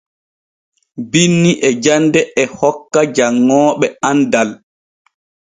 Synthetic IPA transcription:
binːiʔɛd͡ʒandɛʔɛhɔkːad͡ʒaŋːɔːɓɛandal

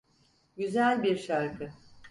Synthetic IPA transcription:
ɟyzælʲbiɾʃaɾkʰɯ

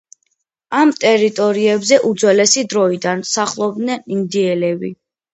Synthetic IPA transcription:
amt̪ʼɛɾit̪ʼɔɾiɛbzɛʔud̪zwɛlɛsid̪ɾɔid̪ansaχlˠɔbnɛind̪iɛlɛbḭ

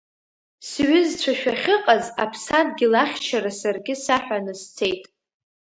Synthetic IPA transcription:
sɥɪzt͡ɕʷʰaʃᶣaχʲɨqʼazapʰsad̚ɡʲɪlaχʲt͡ʃʰaɾasarɡʲɪsaħʷᶣanɨst͡sʰe̞jtʼ

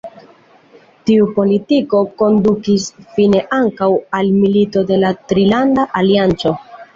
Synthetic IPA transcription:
tiupo̞litiko̞ko̞ndukisfine̞ʔaŋkawalmilito̞de̞latɾilandaʔaliant͡so̞

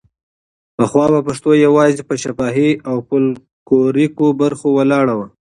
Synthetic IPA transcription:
pəxwɑbapaʂt̪ojawɑzepəʃapɑɦiawpəl | koɾikobaɾxowalɑɽawə

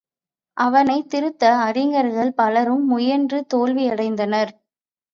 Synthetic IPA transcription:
ʔɐʋɐnɐɪt̪ːɪɾɯt̪ːɐːɾɪŋɡɐɾɣɐɭpɐlɐɾɯmːʊjɐndrɯt̪oːlʋiɐɽɐɪnd̪ɐnɐɾ

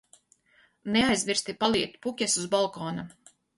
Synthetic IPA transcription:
neajzmʲiɾst̪ipalˠiɛt̪pukʲɛsuzbalˠkɔːna

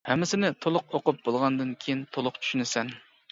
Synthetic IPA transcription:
hɛmːɪsɪnɪt̪ʰolˠʊq̚oqʊp̚bolˠʁɑnd̪ɨnkʲʰejint̪ʰolˠʊqt͡ʃʰy̥ʃynɪsɛn

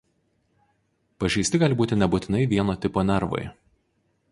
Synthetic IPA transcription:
pɐʒʲɛɪsʲt̪ʲɪɡɑːlʲɪbuːt̪ʲɪnʲɛbuːt̪ʲɪnɐɪʋʲiɛnoːt̪ʲɪpoːnʲɛɾʋo̰ɪ

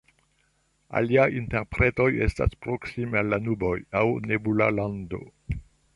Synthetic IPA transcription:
a̰liajinteɾpɾe̞to̞je̞sta̰spɾo̞ksimealːanubo̞jawnebulalando̞̰

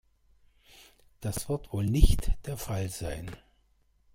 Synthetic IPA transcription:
d̥asv̥ɪɐtv̥oːlnɪçtd̥eːɐfalzaɪn

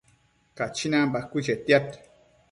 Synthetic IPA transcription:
kat͡ʃinãmbakːut͡ʃetjat

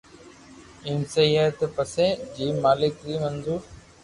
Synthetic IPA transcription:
ɪmsejət̪pəseːd͡ʒiːmaːlɪkɾiːmənd̪uːɾ

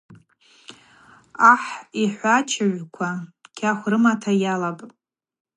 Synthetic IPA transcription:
aħiħʷat͡ʃʰɪʕʷkʷʰakʲʰaχʷrɨmatʰajalapʼ

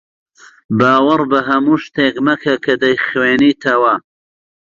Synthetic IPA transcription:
baːwɐɾbɐɦɐmuːʃt̪eːkmɐkʰɐkʰɐd̪ɐjχweːniːt̪ʰɐwɐ

